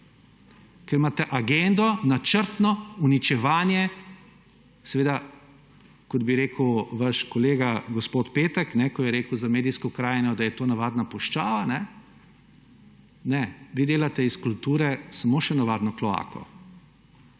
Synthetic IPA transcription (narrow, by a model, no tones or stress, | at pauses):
kɛɾmaːt̪ɛʔaɡend̪ɔnat͡ʃəɾt̪nɔunit͡ʃɛʋaːnjɛ | sɛʋeːd̪a | kɔd̪biɾeːkəwʋaʃkɔleːɡaɡɔspoːt̪peːt̪əknɛkɔjɛɾeːkəwzameːd̪ijskɔkɾaːjnɔd̪ajɛt̪oːnaʋaːd̪napɔʃt͡ʃaːʋanɛ | nɛʋid̪eːlat̪ɛiskult̪uːɾɛsamoːʃɛnaʋaːd̪nɔklɔa̰ːkɔ̰